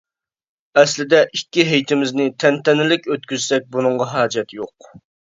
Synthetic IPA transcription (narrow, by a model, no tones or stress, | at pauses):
ɛslɪd̪ɛʔikʲːiɦejt̪ʰɪmɪznɪt̪ʰɛnt̪ɛnɪlɪkʲøt̪̚kʲyzsɛk̚ʲbunɨɴʁɑɦɑːd͡ʒɛt̪joq